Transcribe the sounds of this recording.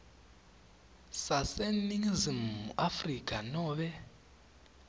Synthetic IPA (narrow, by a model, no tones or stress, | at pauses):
saseniŋzimːṵʔafrikʰʼanɔːβɛ